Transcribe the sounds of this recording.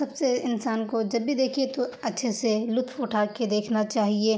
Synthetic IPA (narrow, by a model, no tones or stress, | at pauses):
sɐbseɪnsaːnkod͡ʒɐbːid̪eːkʰiet̪oɐtːʃʰeselʊt̪ʰʊʈʰaːked̪eːkʰnat͡ʃaːɦieː